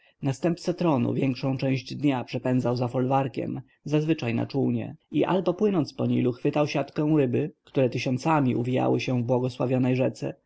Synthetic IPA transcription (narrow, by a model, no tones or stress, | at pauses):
nast̪ɛmp̚t̪sɛt̪ɾɔnṵvʲjɛŋkʂɔ̃w̃t͡ʂɛ̃w̃ʑd͡ʑd̪ɲapʂɛpɛnd̪zawzafɔlvaɾkʲɛ̰m | zazvɘt͡ʂajna̰t͡ʂuwɲɛ̰iʔa̰lbɔpwɘnɔnt̪spɔɲiluxfɘt̪awɕat̪kɛ̃w̃ɾɘbɘkt̪uɾɛt̪ɘɕɔnt̪samʲiʔuvʲija̰wɘɕɛvbwɔɡɔswavʲjɔnɛjʐɛt̪sɛ̰